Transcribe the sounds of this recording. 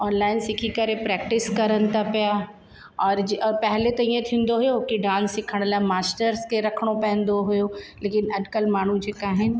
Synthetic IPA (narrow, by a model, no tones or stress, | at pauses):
ɔːnlaːɪnsɪkʰikɐɾepɾɛːk̚ʈɪskɐɾənɪ̆t̪ʰapija | ɔːɾpɛɦlet̪ɐĩẽt̪ʰĩːn̆d̪oɦʊjoɦʊkiɖãːnsːɪkʰəɽ̃laːmaːsʈəɾskeɾɐkʰəɽ̃opɛ̃ɦɪə̃nd̪oɦʊjoleːkɪnɐɖkəlmaːɳ̤ũd͡ʑeːkaːɦɪnɪ̆